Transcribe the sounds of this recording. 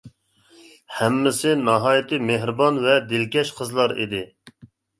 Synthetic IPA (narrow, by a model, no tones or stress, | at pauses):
hɛmːɪsɪnɑɦɑːjit̪ɪmeɦɾɨbɑnvɛd̪ɪlkʲɛʃqʰəzlˠɑɾḭd̪ɪ